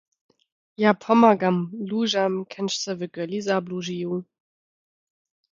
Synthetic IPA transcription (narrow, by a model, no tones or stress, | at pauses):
japʰɔmaɡamluːʒamkʰɛnʃt͡səvəɡœlizabluʒiju